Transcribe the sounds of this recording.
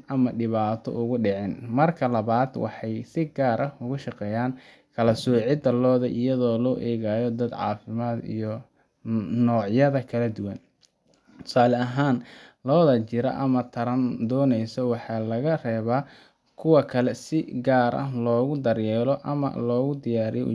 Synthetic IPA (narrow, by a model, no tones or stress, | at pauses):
ʔɐmɐɖɪβaːt̪ʰɔ̰ʔʊɣʊɖɪʕɪnmɐrkʰɐlɐβaːd̪wɑ̰ħɑjsɪɡaːɾʔɐhʊɣʊʃɑqɛːjaːn | kʰɐlɐsɔːʕɪd̪ɐlɔːðɐʔɪjɐðɔːlɔːʔɛːɣaːjɔd̪ɐd̪ʕɑ̰ːfɪmaːd̪ḭjɔ | nɔːʕjɐðɐkʰɐlɐd̪ʊwɐn | t̪ʰʊ̥saːlɛɐɦaːnlɔːðɐt͡ʃɪɾɐ̰ʔɐmɐt̪ʰɐɾɐnd̪ɔːnɛjsɔwɑħɑːlɐɣɐrɛːβaː | kʰʊwɐkʰɐlɛsɪɡaːɾʔɐ̰hlɔːɣʊd̪ɐɾjɛːlɔʔɐ̰mɐ̰lɔːɣʊd̪ɪjaːɾijɔ